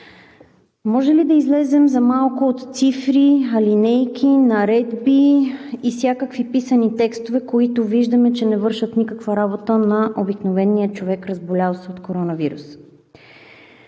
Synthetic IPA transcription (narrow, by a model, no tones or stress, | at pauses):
mɔʒɛlid̪ɐizlɛzɛmzɐmalˠkʊot̪t̪sifɾiɐlinɛjk̟ʰʲinɐɾɛd̪biifsʲjakəkvipisənit̪ɛkst̪ovɛkoit̪ʊviʒd̪ɐmɛt͡ʃɛnɛvɤɾʃət̪nikəkvəɾabot̪ənɐʔobiknovɛnːijət͡ʃovɛkɾəzbolʲalˠsɛot̪koɾɔnɐviɾṵs